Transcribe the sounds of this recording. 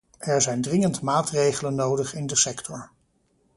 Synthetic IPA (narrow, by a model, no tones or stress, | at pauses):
ʔɛɹzɛjndrɪŋəntmaːtrejχələnːowdəχɪndəsɛktʰɔɹ